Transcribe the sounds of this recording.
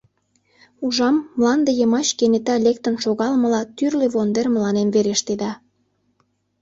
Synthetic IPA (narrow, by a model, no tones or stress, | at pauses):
uʒɑmːlɑnd̪əjəmɑt͡ɕkenet̪ɑlek̚t̪ə̆nʃoɣɑlmə̆lɑt̪yrleβond̪erməlɑnemveɾeʃt̪ed̪ɑ